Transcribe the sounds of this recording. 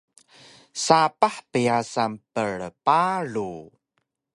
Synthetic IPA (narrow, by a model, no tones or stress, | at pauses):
sapaħpəjasampəɭəpaɭu